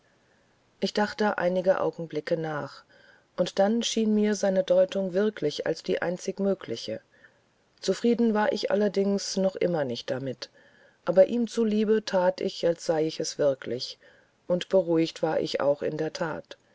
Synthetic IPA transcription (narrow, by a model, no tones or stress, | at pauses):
ʔɪçd̥aχtəʔa̰ɪnɪɡəʔa̰ʊɡŋ̩blɪkənaːχ | ʔʊntd̥anʃiːnmiːɐzaɪnədɔʏtʊŋvɪɐkʰlɪça̰lsd̥iːʔa̰ɪnt͡sɪkmøːkʰlɪçə̰ | t͡sufʁ̥iːdn̩vaːɐʔɪçʔa̰lɐdɪŋsnɔχʔɪ̰mɐnɪçt̚d̥amɪt | ʔaːbɐʔiːmt͡suliːbətʰaːtɪ̰çalsz̥aɪɪçɛsv̥ɪɐkʰlɪç | ʔʊntb̥əʁ̞uɪçtv̥aːɐʔɪ̰ça̰ʊxʔɪ̰ndeːɐtʰa̰ːt